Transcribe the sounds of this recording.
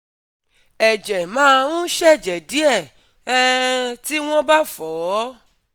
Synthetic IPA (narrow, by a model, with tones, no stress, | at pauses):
ɛ˨d͡ʒɛ˨mã˦˧ũ˦ʃɛ˦˨d͡ʒɛ˨di˨˦ɛ˦˨ | ɛ˦ti˦w̃ɔ̃˦ba˦fɔ˨˦